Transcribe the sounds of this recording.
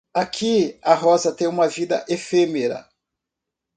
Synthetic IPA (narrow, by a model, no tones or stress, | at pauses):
akʰiɐɦɔzɐt̪ẽj̃ũmɐvid̪ɐ̰ʔefemeɾɐ̰